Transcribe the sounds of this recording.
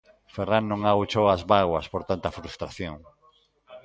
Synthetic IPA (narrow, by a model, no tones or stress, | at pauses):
ferannõŋaut͡ʃowazβaɣwɐspoɾt̪ant̪ɐfɾust̪ɾaθjoŋ